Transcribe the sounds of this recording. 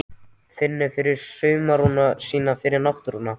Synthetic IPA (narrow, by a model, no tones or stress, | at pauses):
fɪnːɪfɪɾɪɾ̥sœɥmaɾunːasiːnafɪɾɪɾnawht̪ʏɾunːa